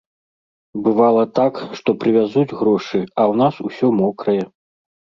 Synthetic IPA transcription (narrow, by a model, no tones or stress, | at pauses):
bɨvalˠɐt̪akʂt̪ɔpɾɨvʲazud͡zʲɣɾɔʂɨɐwn̪asusʲɔmɔkɾɐjɛ